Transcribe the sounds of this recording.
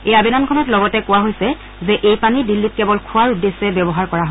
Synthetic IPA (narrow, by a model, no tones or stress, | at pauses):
ejabinamkʰɔnɔtlɔɡɔtɛkʊwaɦojsɛ | zɛʔejpanidilːit̚kɛbɔlkʰʊwaɹudesɛbɛbɔɦaɹkɔɹaɦo